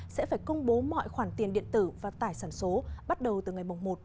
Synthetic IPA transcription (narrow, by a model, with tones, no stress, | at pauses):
sɛ̰˧˥faː˧˩jkə˧wŋ͡mɓo˨˦mɔ̰˧˨jxwaː˧˩nt̪i˨˩ənɗḭ˧˨ənt̪ɨ˧˩vaː˨˩t̪aː˧˩jsaː˧˩nso˨˦ɓa˦˥t̚ɗə˨˩wt̪ɨ˨˩ŋa˨˩jmʊ˨˩ŋ͡mmo˨˩t̚